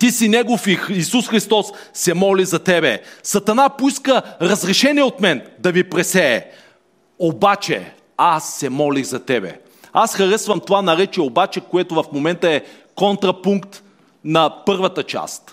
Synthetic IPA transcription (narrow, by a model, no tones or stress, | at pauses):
t̪isinɛɡofiːsusxɾist̪ɔsːɛmɔlizɐt̪ɛbɛsɐt̪ɐnapoiskəɾɐzɾɛʃɛnʲiɛot̪mɛnd̪ɐvipɾɛsɛː | obat͡ʃɛ̰ | asːɛmɔliɣzɐt̪ɛbɛ̰ | asxɐɾɛsvɐmt̪ovanɐɾɛt͡ʃiɛobat͡ʃɛkoɛt̪ovɐfmomɛnt̪əɛ | kɔnt̪ɾɐpuŋkt̪ | nɐpɤɾvɐt̪ət͡ʃa̰st̪